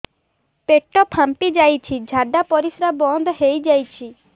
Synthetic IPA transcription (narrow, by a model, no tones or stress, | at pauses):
peʈɔpʰampid͡ʒajt͡ʃʰid͡ʒʱaɖapɔɾisɾabɔnd̪ʱɔɦejd͡ʒajt͡ʃʰi